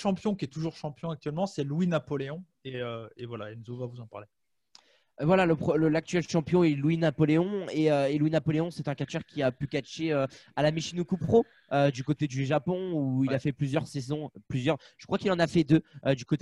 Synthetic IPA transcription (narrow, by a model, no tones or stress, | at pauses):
ʃɑ̃pjɔ̃kʲiɛt̪uʒuʁʃɑ̃pjɔ̃ak̚t̪ɥɛlmɑ̃sɛlwinapɔleɔ̃ | eøevwala̰ɛnzovavuzɑ̃paʁle | vwalaləpχələlak̚t̪ɥɛlʃɑ̃pjɔ̃ɛlwinapɔleɔ̃eøelwinapɔleɔ̃sɛt̪ɛ̃kat͡ʃœʁkʲiapykaʃeøalameʃinukupχo | ød̪ykot̪ed̪yʒapɔ̃uilafɛplyzjœʁsɛzɔ̃plyzjœʁʒ̥ə̥kχwakilɑ̃nafɛd̪øød̪ykot̪e